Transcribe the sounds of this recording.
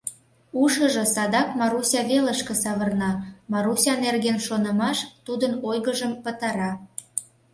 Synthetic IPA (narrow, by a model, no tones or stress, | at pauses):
uʃəʒɤ̆sɑd̪ɑkmɑɾusʲɑβelə̆ʃkĕsɑβə̆rnɑmɑɾusʲɑnerɣenʃonə̆mɑʃt̪ud̪ənojɣəʒəmpə̆t̪ɑɾɑ